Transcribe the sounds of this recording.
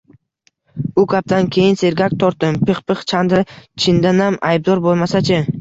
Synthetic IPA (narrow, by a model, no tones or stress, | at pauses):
ʊkʲʰap̚t̪ʰankʲʰe̞jɪnse̞ɾɡʲak̚ʲt̪ʰɒɾt̪̚d̪ɪmpʰɪχpɨχt͡ʃʰand̪ɾɪt͡ʃʰɪnd̪anamajb̚d̪ɒɾbolˠmasat͡ʃʰɪ